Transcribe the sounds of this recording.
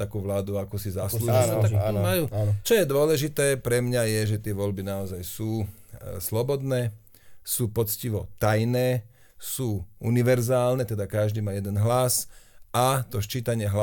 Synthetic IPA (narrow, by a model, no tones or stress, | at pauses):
t̪akuːʋlaːd̪uakusizaslluːʒit̪amajuːt͡ʃɔjɛd̪ʊɔlɛʒit̪ɛːpɾɛmɲajɛʒɛt̪ɪɛʋɔʎbinaɔzajsuːslɔbɔd̪nɛː | suːpɔt͡sciʋɔt̪ajnɛː | suːṵniʋɛɾzaːlnɛt̪ɛd̪akaʒd̪iːmaːjɛd̪ɛnɦlasʔat̪ɔʃt͡ʃiːt̪aɲɪɛɦla